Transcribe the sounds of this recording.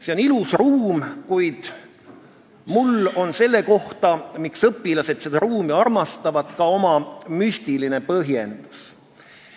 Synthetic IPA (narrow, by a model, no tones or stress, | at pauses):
se̞o̞nilusruːmkujd̪̥ | mulo̞nse̞lːe̞ko̞ht̪ɑmiksɤpːˑilɑse̞t̪sed̪ɑɾuːmiɑrmɑst̪ɑvɑt̪kɑo̞mɑmysʲt̪iline̞pɤɦje̞nd̪̥us